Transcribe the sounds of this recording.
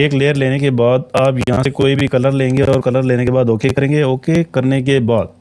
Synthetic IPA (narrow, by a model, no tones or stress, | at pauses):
eːkleːəɾleːnekebaːd̪̚aːpjɐɦãsekoːibʱikɐləɾlẽːŋɡeɔːɾkɐləɾleːnekebaːd̪oːkekəɾẽːŋɡeoːkekɐɾnek̬ebaːd̪̚